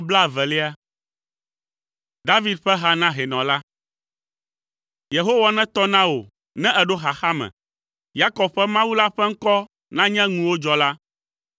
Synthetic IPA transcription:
bla˦˨vɛ˨le˦a˦ | d̪a˦vi˨d̪̚ɸɛ˦ɦa˦nã˦ɦɛ˨nɔ̃˨la˦ | je˨ɦo˦wa˨nɛ̃˦t̪ɔ˦nã˦wo˨ | nɛ̃˦ʔɛ˨ɖo˦ɦa˨xa˦mɛ̰̃˨ | ja˦kɔ˨b̚ɸɛ˦mã˦wu˦la˦ɸɛ˦ŋ̩˦kɔ˦ | nã˦ɲɛ̃˦ŋũ˨wo˦d͡ʒɔ˦la˦

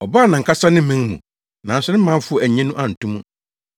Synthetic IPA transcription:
ɔ˨ba˦˨nã˨ŋ̩˨kʰa˦sa˦nɪ̃˦m̩˦mĩ˦ŋmṵ̃˨ | nã˨n˨sɛ˦nɪ̃˦m̩˦mã˦ɱ˦fʊ˦ɔ˨æ˨ɲɛ̃˦nũ˦ʔa˨n̩˨tʰũ˦mũ˦

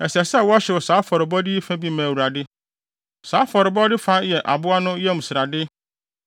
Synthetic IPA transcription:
ɛ˨si˨ɛ˨sɛ˦˨wɔ˦ɕɪ˨wɔ˨saː˨˦fɔ˨ɾɪ˨bɔ˦dɪ˦i˦fã˦bi˦mæ̃˨wu˨ɾa˨dɪ˦ | saː˨˦fɔ˨ɾɪ˨bɔ˦dɪ˦fa˦jɛ˨ʔa̰˨bʊ˦a˦nʊ̃˦jɛ˦m̩˨sɪ˨ɾa˨dɪ˦

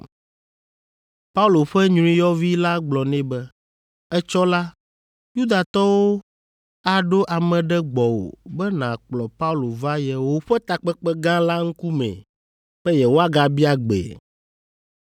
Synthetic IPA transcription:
pa˦u˦˨lo˨ɸɛ˦ɲũ˦ɾ̃ĩ˦jɔ˦vi˦la˦ɡ͡blɔ˨nɛ̃˨bɛ˦ | ɛ˦t͡ʃɔ˦la˦ | ju˦d̪a˨t̪ɔ˦wo˦ | a˨ɖo˦ʔa˨mɛ̃˨ɖɛ˦ɡ͡bɔ˨wo̰˨bɛ˦nã˨k͡plɔ˨pa˦u˦lo˨va˦jɛ˨wo˦ɸɛ˦t̪a˨k͡pɛ˦k͡pɛ˦ɡã˦la˦ŋ̩˦ku˦mɛ̰̃˨ | bɛ˦jɛ˨wo˦a˦ɡa˨bi˦a˨ɡ͡bḛ˨

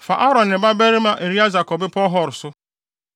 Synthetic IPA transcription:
fa̰˨ʔɔ˦ɾɔ˨nɪ˨ba˦be˦ɾe˦ma˦ʔe˨ɾi˦a˦za˨kɔ˨bɪ˦pɔ˦ɦɔ˦˨ɾʊ˨sʊ˦

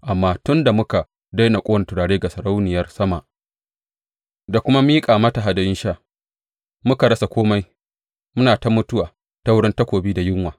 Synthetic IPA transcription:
ʔa˨mːaː˦tʊ˦nda˨mʊ˦ka˨ | da˦jna˨kʷʼoː˦˨tʊ˨ɽaː˨ɽeː˦ɡa˨sɐ˨ɾa˦wnɪ˨jɐ˦rsɐ˦ma˨ʔ | da˨kʷʊ˦ma˦miː˦kʼaː˨ma˦ta˨ɦa˨da˨jɪ˦nʃaː˦˨ | mʊ˦ka˨ɽɐ˦sa˨kʷoː˦ma˦j | mʊ˦naː˨ta˦mʊ˦tʊ˦waː˨ | ta˦wʊ˦ɽɪ˦nta˦kʷoː˨biː˦da˨jɪ˦ŋwaː˨

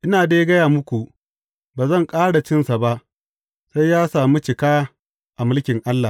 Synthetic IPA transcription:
ʔɪ˦naː˨deː˦ɡɐ˦jaː˨mʊ˦kʷu˨ | baː˨zɐ˦˨ŋkʼaː˦ɽa˨t͡ʃɪ˦nsa˨ba˦ʔ | sa˦jːaː˦saː˨mu˦t͡ʃɪ˨kaː˦ | ʔa˨mɪ˦lkʲɪ˨ŋʔa˦lːa˨

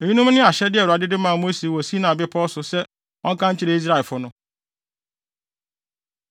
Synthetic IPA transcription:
e˨ɲi˦nũ˦m˦nɪ̃˦a˨ɕɛ˦dɪ˦ɛ˨a˨dɪ˦dɪ˦mãː˦˨mo˦se˨wɔ˨si˦nã˨bɪ˦pʰɔ˦sʊ˨sɛ˦ | ɔ̃˦ŋ˦kʰã˦ɲ̩˦t͡ɕʰɪ˦ɾe˦i˦s̬ɾa˦˨fʊ˦nʊ̃˦

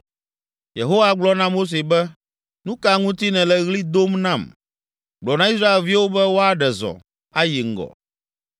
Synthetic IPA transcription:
je˨ɦo˦wa˨ɡ͡blɔ˦nã˦mo˦s̬e˨bɛ˦ | nũ˦ka˨ŋũ˦t̪i˦nɛ̃˨lɛ˦ɣli˦d̪o˦mnã˨m | ɡ͡blɔ˨nã˦i˦s̬ɾa˦e˨lvi˦wo˦bɛ˦wo˦a˨ɖɛ˨zɔ̰˨ | a˦ji˨ŋ̩˦˨ɡɔ̰˨

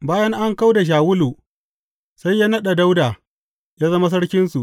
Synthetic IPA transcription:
baː˦jɐ˦ŋʔa˦ŋka˦wda˨ʃ̬aː˨wʊ˦luː˨ | sa˦jːaː˦nɐ˦ɗa˨da˦wdaː˨ | jaː˦zɐ˦ma˦s̬ɐ˦ɽkʲɪ˦nsu˨ʔ

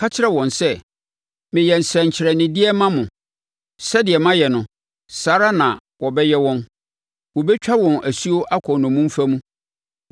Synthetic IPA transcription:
kʰa˦t͡ɕʰɪ˦ɾɛ˦wɔ̃˨nsɛ˦ | mɪ̃˨jɛ˨n̩˨sɾɛ̃˨ɲ̩˨t͡ɕʰɪ˨ɾɛ˨nɪ̃˨dɪ˦ɛ˦mã˦mʊ̃˨ | sɛ˦dɪ˨ɛ˨mã˦jɛ˨nʊ̃˨ | saː˨˦ɾa˦nã˨ | wɔ˨bɛ˦jɛ˦wɔ̃˦n | wɔ˨bɛ˦t͡ɕᶣa˦wɔ̃˨næ˨su˦o˦ʔa˦kʰɔ˨nʊ̃˨mũ˦m˦fæ˦mũ˦

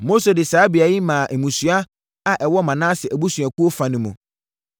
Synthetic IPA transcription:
mo˦se˨dɪ˨saː˨˦bi˨a˨ji˦mã˨ʔɛ˨mũ˨sɥa˦ | a˨ʔɛ˨wɔ˦mã˨nã˦sɪ˨æ˨bu˦sɥa˨ku˦o˦fa˨nʊ̃˨mṵ̃˨

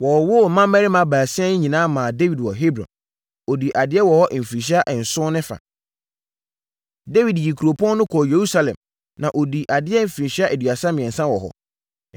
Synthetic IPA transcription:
wɔ˨wʊ˦˨mã˦mæ˦ɾi˦mã˦baː˨sɪ˦ã˦nɪ̃˦ɲĩ˨nãː˦mã˨de˦wi˨dwɔ˨ɦe˦bɾɔ̰̃˨n | o˨di˨ʔa˨dɪ˦ɛ˦wɔ˨hɔ˦ʔm̩˨fi˨ɕ̬i˦a˦ʔɛ˨n̩˨sʊ̃˦nɪ̃˦fã̰˨ | de˦wi˨dji˨kʰu˨ɾo˨pʰɔ̃˦n˦nʊ̃˦kʰɔ˨je˨ɾu˦sa˦lɛ̰̃˨m | nã˨ʔo˨di˨ʔa˨dɪ˦ɛ˦m̩˨fĩ˨ɕi˦a˦ʔe˨dɥa˨sã˦mɪ̃˨ɛ̃˨n̩˨sã˦wɔ˨ɦɔ̰˨

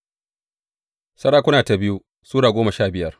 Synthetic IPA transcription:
sɐ˦ɽaː˦kʷʊ˦naː˨ta˨bɪ˦ju˦ | suː˦ɽaː˨ɡʷoː˦mɐ˨ʃaː˦˨bɪ˨jɐ˦r

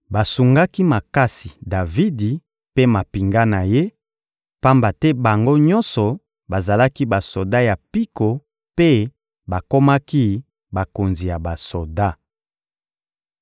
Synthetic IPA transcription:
ba˨su˨ŋɡa˦ki˦ma˨ka˦si˨da˨vi˦di˨ | pe˦ma˨pi˨ŋɡa˦na˨je˦ | pa˦mba˨tɛ˦ba˨ŋɡo˦ɲɔ̃˦nsɔ˨ | ba˨za˨la˦ki˦ba˨so˨da˦ja˨pi˦ko˨ | pe˦ | ba˨ko˦ma˦ki˦ | ba˨ko˨nzi˨ja˨ba˨so˨da˦

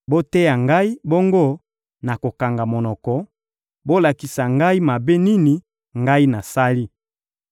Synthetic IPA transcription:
bo˦te˦ja˨ŋɡa˦i˦bo˦ŋɡo˦ | na˨ko˨ka˨ŋɡa˨mo˨nɔ˨kɔ˨ | bo˦la˨ki˨sa˨ŋɡa˦i˦ma˨be˦ni˦ni˨ | ŋɡa˦i˦na˨sa˦li˦

